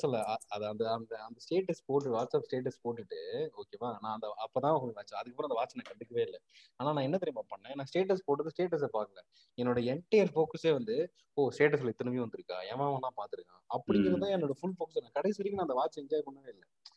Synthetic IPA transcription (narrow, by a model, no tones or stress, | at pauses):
sɐlːɐɐɐðɐnd̪ɐɐnd̪ɐːnd̪ɐsʈeːʈɐspoːʈ̬ːɯʋaːʈsaːpsʈeːʈːɐspoːʈːɪʈːɯoːkeːmaːnãːɐnd̪ɐɐpːoːt̪ãːkɐiʋaːt͡ʃːɐɐðɯkːɐpːoːɾ̃ɐnd̪ɐʋaːt͡ʃːɐnãːkɐʈːɪkːɯʋeːɪlːɛaːnaːnãːɛnːɐt̪̬ɪɾɪmaːpɐɳːẽːnãːsʈeːʈ̬ɐspoːʈːɯðɯsʈeːʈːɐs̬epaːkɐlɛ̃ː | ɛnːoːɽɐɛɳʈːɐjɐɾfoːkɐseːʋɐnd̪ɯ | oːsʈeːʈ̬ːɐs̬lɐɪt̪ːɪnɯʋj̃ʋɐnd̪ɯɾɯkːa̰ːɛːʋaːmɐnãːpaːɾt̪ɯɾɯkːã̰ːɐpːɐɽɪŋɡɪɾɐðt̪ãːɛnːoːɽɐfʊlfoːkɐsnãːkɐɽɐɛɐɾɪkːɯnãːnd̪ɐʋaːt͡ʃːɐɛɲd͡ʒaːjpɐɳːɐʋeːɪlːɛ